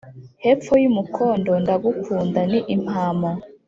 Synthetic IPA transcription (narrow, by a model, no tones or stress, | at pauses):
hep͡fojumukʰoːndo̞ndaɡukuːndaniʔim̥hama